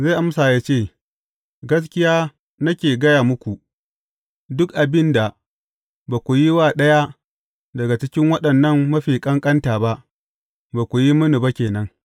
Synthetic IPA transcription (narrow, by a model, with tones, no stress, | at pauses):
za˦˨ʔa˦m˦sa˨jaː˦t͡ʃeː˦˨ | ɡɐ˦s̬kʲɪ˦jaː˦ | nɐ˦kʲeː˨ɡɐ˦jaː˨mʊ˦kʷu˨ | dʊ˦kʔa˨bɪ˦nda˨ | baː˨kʷu˨ji˦waː˦˨ɗɐ˦ja˦ | dɐ˨ɡa˨t͡ʃɪ˦kʲɪ˦ŋwɐ˦ɗɐ˨nːɐ˦˨ŋːɐ˦ɸiː˨kʼɐ˦ŋkʼɐ˦ntaː˨ba˦ʔ | baː˨kʷu˨ji˦mʊ˦nu˨ba˦kʲeː˨nɐ˦ŋ